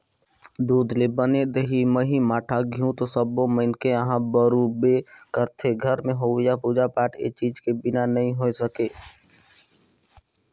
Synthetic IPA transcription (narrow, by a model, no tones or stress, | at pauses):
d̪uːd̪lebəned̪eɦimə̃ɦimaːʈʰaɡʱjũt̪osəboməɪnkeəɦãbəɾubekəɾt̪ʰeɡʱəɾmẽɦoːjapuːd͡ʒapaːʈʰḛt͡ʃiːd͡ʒkebɪnanəɦĩɦoesəkeː